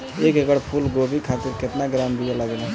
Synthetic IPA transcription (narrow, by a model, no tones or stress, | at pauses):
ekeɡəɽpʰulɡobikʰat̪iɾket̪naɡɾambijəlaɡela